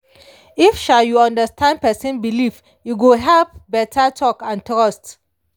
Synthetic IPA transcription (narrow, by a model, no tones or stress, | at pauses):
ifʃaljuɔ̃ndəstʰãnd̚pɛsə̃nbilif | juɡuɦɛlp̚bɛtʰatʰɔkãntɹɔst